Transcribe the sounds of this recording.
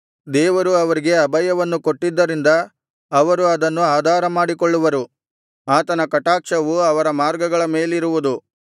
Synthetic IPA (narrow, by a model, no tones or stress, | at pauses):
d̪ɛːʋɐɾuɐʋɐɾiɡe̞ɐbɐjɐʋɐnːuko̞ʈːid̪ːɐɾind̪ɐː | ʋɐɾuɐd̪ɐnːuaːd̪ʱaːɾɐmaːɽikoɭːuʋɐɾu | aːt̪ɐnɐkɐʈaːkʂɐʋuɐʋɐɾɐmaːɾɡɐɡɐɭɐme̞ːliɾuʋud̪u